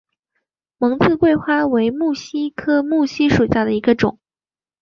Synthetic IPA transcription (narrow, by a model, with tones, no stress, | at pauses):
mɤ˧˥ŋt͡sɹ̩˥˧kwe˥˧ɪxwa˥˩we˧˥ɪmu˥˩ɕi˥kʰɤ˥mu˥˩ɕi˥ʂu˨˩ɕja˥˩d̪ə˩i˧˥ɡə˧ʈ͡ʂʊ̰˨˩˦